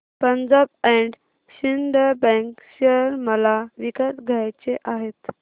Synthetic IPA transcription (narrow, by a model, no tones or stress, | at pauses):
pəɲd͡zab̚ɛɳɖ | ɕind̪ʱəbɛ̃ŋkɕəɾməlaʋikasɡʱajt͡ɕeʔaɦet̪